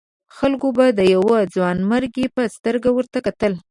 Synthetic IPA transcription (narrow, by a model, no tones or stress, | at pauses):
xalkobad̪əjawəd͡zwɑnməɾɡepəst̪əɾɡawəɾt̪akat̪əl